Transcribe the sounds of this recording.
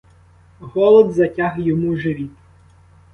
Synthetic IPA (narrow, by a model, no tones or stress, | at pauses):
ɣɔlˠɔd̪zɐtʲaɣjɔmuʒɪʋʲi